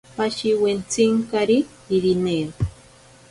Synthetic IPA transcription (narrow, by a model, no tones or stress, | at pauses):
paʃiwent͡siŋkaɾi | iɾine